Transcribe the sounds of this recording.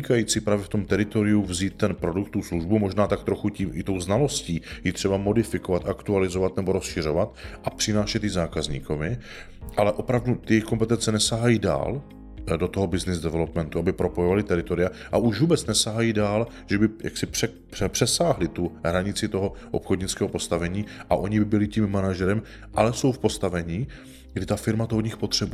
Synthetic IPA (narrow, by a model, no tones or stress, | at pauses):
kajiːt͡sɪpɾaːvjɛft̪o̞mt̪ɛɾɪt̪o̞ɾɪjuvziːt̪̚ːɛnpɾo̞dukt̪ːusluʒbumo̞ʒnaːt̪ak̚t̪ɾoxuciːmʔɪt̪o̞wznalo̞sciːjɪt̪r̝̥ɛbamo̞dɪfɪko̞vat̪ʔakt̪ualɪzo̞vat̪nɛbo̞ɾo̞sʃɪr̝o̞vat̪ʔapr̥ɪnaːʃɛt̪jɪzaːkazɲḭːkomɪ | ʔalɛʔo̞pɾavdut̪ɪjɛjxkompɛt̪ɛnt͡sɛnɛsaɦajida̰ːl | do̞t̪oɦobɪznɪzdɛvɛlo̞pmɛnt̪uabɪpɾo̞po̞jovalɪt̪ɛɾɪt̪o̞ɾɪjaʔaʔuʒvuːbɛt͡snɛsaɦajiːdaːl | ʒ̥ɛbɪja̰ksɪprɛ | pɛpr̥ɛsaːɦlɪt̪uɦɾaɲɪt͡sɪt̪o̞ɦoʔo̰pxodɲɪt͡skɛːɦopo̞st̪avɛɲiːʔaʔo̞ɲɪɪbɪlɪciːmːanaʒɛɾɛm | ʔalɛso̞wfpo̞st̪avɛɲiː | ɡdɪt̪afɪɾmat̪oɦoɲɪxpo̞t̪r̝̥ɛbu